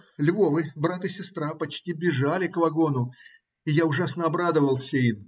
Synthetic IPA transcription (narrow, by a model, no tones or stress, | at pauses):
lʲvovɨbɾat̪ɨsʲɪst̪ɾapɐt͡ɕtʲibʲɪʐalʲɪkvɐɡo̞nʊ | ɪjaʊʐasnəɐbɾad̪əvəlˠsʲein